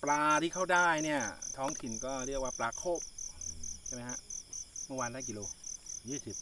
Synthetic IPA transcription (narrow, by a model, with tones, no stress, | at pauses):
plaː˧t̪ʰiː˥˩kʰa˥˩wdaː˥˩jni˥˩ɐt̪ʰɔː˦˥ŋt̪ʰi˨˩nkɔː˥˩ɾi˥˩ək̚waː˥˩plaː˧kʰoː˥˩p̚t͡ɕʰa˥˩ma˦˥jha˦˥ʔmɯ˥˩waː˧nlaː˦˥ki˧loː˧jiː˥˩si˨˩p̪̚